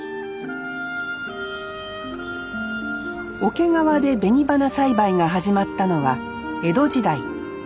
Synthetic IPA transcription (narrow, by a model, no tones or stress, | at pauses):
o̞ke̞ŋaβad̪e̞be̞ɲ̟ibanasaibaiŋaɦaʑimat̪ːano̞βa | e̞d̪o̞d͡ʑid̪ai